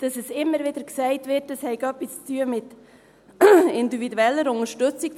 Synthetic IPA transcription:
d̥ɑsɛsɪmːəɾvɪd̪əɾksɛɪtvɪɾt̚d̥ɑshɛɪɡ̥ɑpist͡st͡st͡syəmɪt | ɪndividuɛlːəɾʊnəɾʃtʏt͡sik

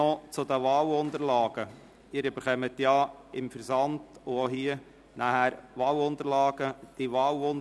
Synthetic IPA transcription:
ɔt͡sʊd̪əʋɑːwʊnt̪əɾlɑːɡ̥ə | ɪːɾyb̥əɾχœmətjɑːɪmfəɾsɑntʊoɦiə | næhæɾʋɑːwʊnt̪əɾlɑːɡ̥əd̥iʋɑːwon

